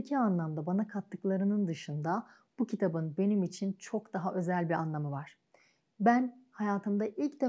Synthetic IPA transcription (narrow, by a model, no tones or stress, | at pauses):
cʰianlˠamd̪abanakʰat̪ʰːɯklˠaɾɯnɯnd̪ɯʃɯnd̪a | b̥ucʰit̪ʰabɯnbe̞nimit͡ʃʰint͡ʃʰo̞kd̪aɦaʔø̞zælʲbiɾa̰nlˠamɯvaɾ̥ | bænhajaːt̪ʰɯmd̪aʔilʲcd̪e